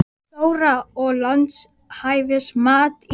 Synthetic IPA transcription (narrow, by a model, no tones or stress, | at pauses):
st̪oːwɾaɔɣlant̪s | haːjvɪsmaːt̪